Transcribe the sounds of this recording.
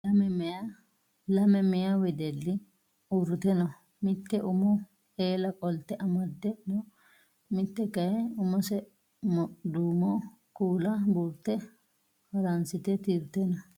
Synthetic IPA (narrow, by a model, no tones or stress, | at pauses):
ɐmɛma | lɐmɛmɛjawɛd̪ɛlːɪ | uɾʊt̪ɛnɔ | mɪt̪ːɛʔʊmɔ | eːlɐkʼɔlt̪ːɛʔɐmɐd̪ɛnɔ | mɪt̪ːɛkɐjɛʊmɔsɛ | md̪uːmɔ | kuːlɐbuːɾt̪ːɛ | hɐɾɐnsɪt̪ɛt̪iɾʊt̪ɛnɐ